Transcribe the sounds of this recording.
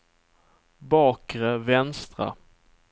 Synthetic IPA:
bɑːkɾəvɛnst̪ɾa̰

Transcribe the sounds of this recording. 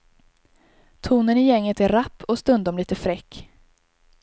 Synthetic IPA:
t̪ʰuːnənɪjɛŋːət̪æɾapʰːɔst̪ɵnd̪ɔmliːt̪əfɾɛkː

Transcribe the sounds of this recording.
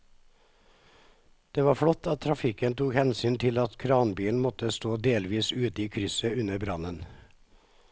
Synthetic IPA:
d̪̥eːʋɑːfɽɔt̪ʰːɑt̪ʰɾɑfɪkənt̪uːkhɛnsyːnt̪ʰɪlɑt̪kʰɾɑːnbiːln̩mɔt̪əst̪oːd̪eːlʋiːsʉːt̪əiːkʰɾʏsəʉnəbɾɑnən

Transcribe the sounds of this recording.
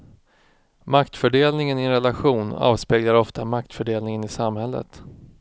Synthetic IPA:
makt̪fœɖeːlnɪŋənɪɛnɾɛlaɧuːnɑ̰ːvspeːɡlaɾɔft̪amak̚t̪fœɖeːlnɪŋənɪsamhɛlːə̰t̪

